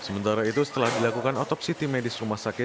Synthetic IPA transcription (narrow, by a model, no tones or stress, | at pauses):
səmənt̪aɾait̪usə̥t̪əlahdilakukanɔt̪ɔpsit̪imedɪsrumahsakɪt̚